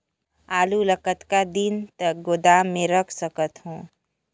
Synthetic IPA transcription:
aːluləkət̪kad̪ɪnt̪ək̚ɡod̪aːmːẽɾəkʰsəkət̪ɦõː

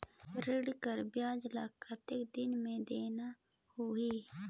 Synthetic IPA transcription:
ɾɪɽkəɾbjaːd͡ʒlaːkʰat̪ɪkd̪ɪnmẽd̪eːnahuiː

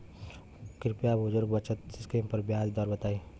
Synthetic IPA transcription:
kɪɾpijabʱʊd͡ʒuɾbət͡ʃət̪̚skimpəɾbjad͡ʒd̪ɔːɾbət̪aːi

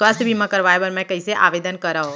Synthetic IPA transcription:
sast̪bʱimãkəɾʋaːjbəɾmɛ̃kəiseʔa̰ːʋeːd̪ənkəɾao

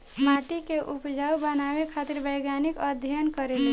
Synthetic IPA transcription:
maʈikeʔupd͡ʒaubənaβekʰat̪iɾbəjɡanikəd̪ʱjənkəɾeli

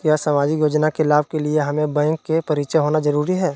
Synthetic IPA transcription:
kjaːsɐmaːd͡ʒijoːd͡ʒnakelaːb̚kelieɦɐmẽbɛ̃ːŋkːepɐɾiːt͡ʃeɦoːnazɐɾuːɾiɦɛː

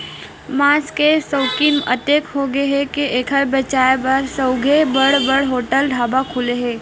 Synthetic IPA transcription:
maːskesəʊkimə̰t̪eːkɦoɡeɦɛkeʔeːkʰəbət͡ʃaːebəɾsəʊɡʱebəɽbəɽɦoːʈəlɖʱaːbakʰuleɦẽː

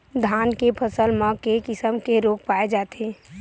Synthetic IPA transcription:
d̪ʱaːnkepʰəsəlmə̃kekɪsəmkeɾoːk̚paːed͡ʒaːt̪eː

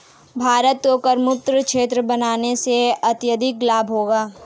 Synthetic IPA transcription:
bʱaːɾət̪kokəɾmʊt̪ɾəkʃeːt̪̬ɾəbɐnaːneseɐt̪jəd̪ʱɪklaːbɦoːɡaː

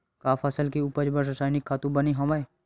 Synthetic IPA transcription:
kaːfʰɐsəlkiuːpəd͡ʒbəɾɾɐsaːjnɪkʰːaːt̪ũbɐniɦɐmae

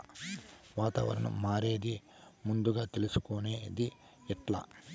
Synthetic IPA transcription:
ʋaːt̪ɐ̰ːʋɐ̰ɾɐnṵmaːɾe̞ːd̪i | mund̪uɡaːt̪e̞lusu̥kone̞ːd̪i | ɛʈla̰

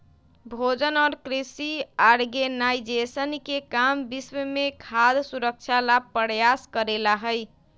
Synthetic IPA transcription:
bʱod͡ʒənɔɾkɾisiaɾɡenajd͡ʒesənkekambiswəmekʰad̪suɾək̚t͡ʃʰalab̚pːəɾjaskəɾelaɦəj

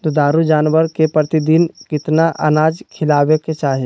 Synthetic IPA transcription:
t̪od̪aːɾud͡ʒaːnʋəɾkepɾət̪ɪd̪inkɪt̪naʔə̰naːd͡ʒkʰɪlaːʋeket͡ʃaːɦe

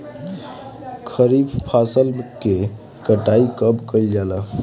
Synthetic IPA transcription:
kʰəɾibpʰasəlke | kəʈaikəbkəld͡ʒala

